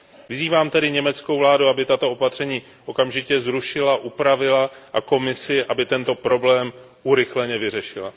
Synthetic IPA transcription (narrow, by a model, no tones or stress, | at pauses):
vɪziːvaːmt̪ɛdɪɲɛmɛt͡skowvlaːduabɪt̪at̪o̞opat̪r̝̥ɛɲiː | ʔo̞kamʒɪcɛzɾuʃɪlaʔupɾavɪlaʔako̞mɪsɪʔabɪt̪ɛnt̪o̞pɾo̞blɛːm | ʔuɾɪxlɛɲɛvɪrɛʃɪla̰